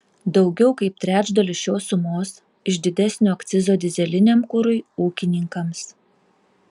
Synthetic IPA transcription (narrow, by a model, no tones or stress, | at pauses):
d̪ɒʊɡʲɛʊkɐɪp̚t̪ʲɾʲæːd͡ʒd̪ɐlʲɪʃʲoːsʊmoːs | ɪʒʲd̪ʲɪd̪ʲæsʲnʲoːɐkt̪sʲɪzoːd̪ʲɪzʲɛlʲɪnʲeːmkʊɾʊɪuːkʲɪnʲɪŋkɐms